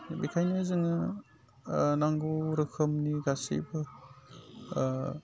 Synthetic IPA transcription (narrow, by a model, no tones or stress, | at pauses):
bikʰajnɯzɯŋɯ | naŋɡuɾɯkʰɯmniɡasḭbɯ